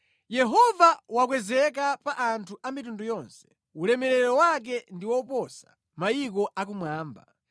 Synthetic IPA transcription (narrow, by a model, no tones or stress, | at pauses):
jɛɦɔvawak̬wɛzɛk̬apaʔantʰuʔamitundujɔnsɛ̥ | ulɛmɛɾɛɾɔwak̬ɛndiwɔpɔsa | majikɔʔak̬umwaːmba̰